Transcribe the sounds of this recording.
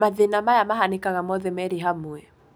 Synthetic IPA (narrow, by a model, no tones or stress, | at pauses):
maðinamajamaɦanikaɣamɔðɛmɛɾiɦamuɛ